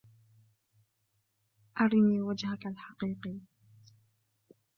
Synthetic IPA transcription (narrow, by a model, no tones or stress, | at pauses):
ʔɑɾˤɪniːwad͡ʒhakalħɑqiːqi